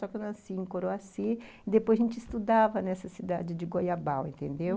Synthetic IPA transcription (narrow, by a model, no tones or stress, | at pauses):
sɔkɪewnasiẽkoɾoasi | ɪd̪epojzʒẽnt͡ʃɪist̪ud̪avɐnɛsɐsid̪ad͡ʒɪd͡ʒɪɡojabawḛ̃nt̪ẽnd̪ew